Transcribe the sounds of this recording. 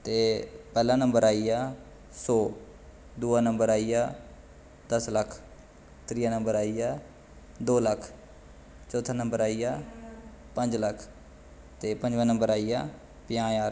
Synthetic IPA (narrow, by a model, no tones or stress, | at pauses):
t̪eːpɛːlãːnəmbəɾaːiːaː | sɔː | d̪uːaːnəmbəɾaːiːjaː | d̪̥əsləkʰ | t̪ɾiːaːnə̃mbəɾaːiːjaː | d̪oːləkʰ | t͡ʃɔːt̪ʰanə̃mbəɾaːiːjaː | pə̃ɲd͡ʒləkʰ | t̪eːpə̃ɲd͡ʒʋə̃ːnəmbəɾaːijaː | pɪjãːjaːɾ